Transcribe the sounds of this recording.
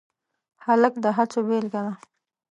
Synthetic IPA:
haləkd̪əɦat͡sobelɡana

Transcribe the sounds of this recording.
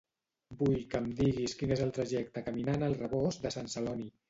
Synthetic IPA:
bujkəmd̪iɣiskinezəlˠt̪ɾəʒɛk̚t̪əkəminanəlˠrəβɔzd̪əsansəlɔni

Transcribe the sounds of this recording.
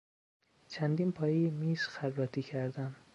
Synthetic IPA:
t͡ʃʰænd̪iːnpʰɒːjejemiːz̥xæɾɾɒːt̪ʰiːcʰæɾd̪æn

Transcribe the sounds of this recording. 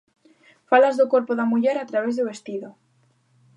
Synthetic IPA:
falazðokoɾpoðamuʝeɾat̪ɾaβ̞ezðuβest̪iðo

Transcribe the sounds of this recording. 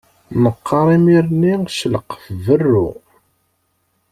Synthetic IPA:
nəqːɑɾˤimiɾnːiʃələqːfvərːʊ̰

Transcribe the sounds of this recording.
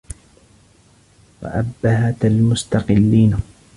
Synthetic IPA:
wa̰ʔabːaɦat̪almʊst̪ɑqɪlːiːn

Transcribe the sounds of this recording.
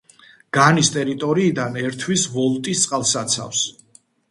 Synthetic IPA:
ɡ̥anist̪ʼɛɾit̪ʼɔɾiːd̪anɛɾt̪ʰwisvɔlˠt̪ʼist̪sʼqʼalˠsat̪sʰa̰fs

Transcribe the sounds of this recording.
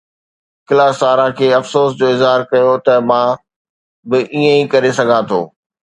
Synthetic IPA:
kɪlaːsaːɾãkʰeːɐfsoːsd͡ʑoːɪzɦaːɾkɐjot̪ɐmãː | bɪʔiːə̃ikɐɾesɐɡʱãt̪ʰo̰ː

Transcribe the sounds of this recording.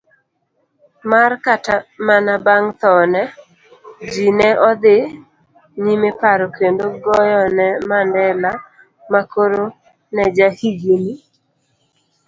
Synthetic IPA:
markatamanabaŋt̪ɔnɛ | d͡ʒinɛʔɔd̪ɪ | nimepaɾɔkendoɡɔjɔnɛmandɛla | makoɾo | nɛd͡ʒahiɡini

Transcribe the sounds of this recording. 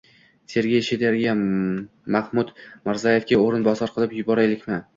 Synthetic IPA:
se̞ɾɡʲejʃed̪eɾɡʲa | mahmʊd̪maɾzajefkʲaoɾɪnbɒsɒɾqʰɨlˠɪpjʊbɒɾajlɪkʲmɪ

